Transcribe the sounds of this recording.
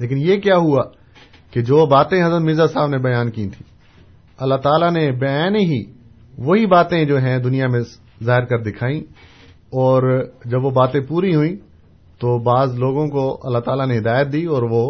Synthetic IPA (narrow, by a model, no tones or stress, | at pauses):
leːk̬ɪnjekjaːɦua | ked͡ʒoːbaːt̪ẽɦɐzɾənmɪzasaːbnebɐjaːnkiːt̪ʰi̥ː | ɐlːaɦt̪aːlanebɐjaːnɦi | ʋoɦibaːt̪ẽd͡ʒoːɦɛ̃d̪ʊnijamẽ | zaːɦɪɾkɐɾd̪ɪkʰaːĩ | ɔːɾd͡ʒɐbʋobaːt̪ẽpuːɾiɦʊĩ | t̪obaːzloːɡõkoɐ̰lːaɦt̪aːlaneɦɪd̪aːjət̪̚d̪iːɔːɾʋo